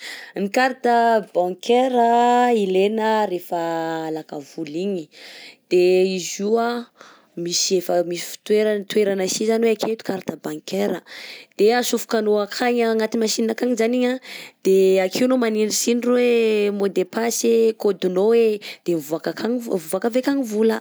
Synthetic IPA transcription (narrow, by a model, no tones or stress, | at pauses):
nikaɾt̪əbãŋkʰeɾəilenəɾefəːlakavuliɲid̪̥eizua | misiefəmisi̥fi̥t̪weɾant̪weɾanasizaniweakʰet̪u̥kaɾt̪abãŋkeɾəd̪̥easufu̥kanoakʰaɲaŋat̪imaʃiniakaɲizaniɲad̪̥eakʰiunomaninɖ͡ʐisinirwemod̪epasekod̪unowed̪̥evuakakaŋvuakəvekaɲivulə